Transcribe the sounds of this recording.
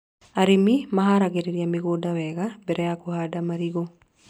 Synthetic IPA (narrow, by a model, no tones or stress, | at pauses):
aɾimimaɦaɾaɡeɾiɾjamiɡodawɛɡabɛɾɛakohadamaɾiɡo